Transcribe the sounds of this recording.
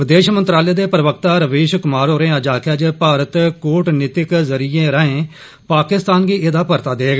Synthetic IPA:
ʋɪd̪eːʃmənt̪ɾaːleːd̪eːpɾəʋəkt̪aːɾəʋeːʃkʊmaːɾɦoːɾẽːəd͡ʒaːkʰaːd͡ʒepaːɾət̪koːʈnɪt̪ɪkzəɾiẽːɾəɦẽː | paːkɪst̪aːnɡiːʔɪd̪aːpəɾt̪aːd̪eːɡ

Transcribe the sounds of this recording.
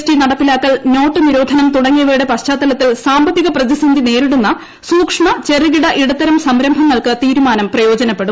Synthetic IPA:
sʈinɐɽɐt̪ːilaːt̪ːɐlno̞ːʈːɨniɾo̞ːd̪ʱɐnɐmt̪uɽɐŋːiɐʋeːɽepɐɕt͡ɕaːt̪ːɐlɐt̪ːilsaːmbɐt̪ːiɣɐprɐðisɐnd̪ine̞ːɾiɽunːɐ | suːkʂɳɐt͡ɕe̞riɣiɽɐʔiɽɐt̪ːɐɾɐmsɐmɾɐmbʱɐŋːɐɭkɨt̪iːɾumaːnɐmprɐjo̞ːd͡ʑɐnɐpːe̞ɽu

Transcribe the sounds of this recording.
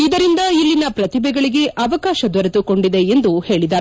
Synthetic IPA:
id̪ɐɾind̪ɐilːinɐpɾɐt̪ibɛɡɐɭiɡe̞ʔɐʋɐkaːʃɐd̪ʋɐɾet̪uko̞ɳɖid̪e̞end̪uhe̞ːɭid̪aːɾ

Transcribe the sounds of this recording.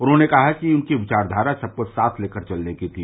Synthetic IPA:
ɔːɾɦõnekɐɦakiʊnkiʋɪt͡ʃaːɾd̪ʱaːɾasɐb̚kosaːt̪ʰleːkəɾt͡ʃɐlnekit̪ʰi

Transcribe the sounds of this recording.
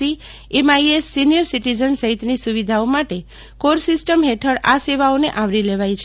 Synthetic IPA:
i | emaiesːinijəɾsiʈid͡ʒənsəɦit̪nisuʋid̪ʱaomaʈe | koɾsisʈəmɦeʈʰəɽaseʋaoneʔaʋɾileʋajt͡ʃʰ

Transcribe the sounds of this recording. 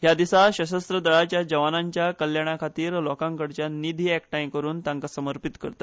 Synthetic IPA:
ɦjad̪isaɕəɕəst̪ɾəd̪əɭat͡ɕjad͡ʑəʋanaɲt͡ɕjakəljaɽ̃akʰat̪iːɾlɔkãŋkəɽt͡ɕjanid̪ʱiːɛkʈajmkəɾuːnt̪ãŋkasəməɾpit̪kə̰ɾt̪ḁ

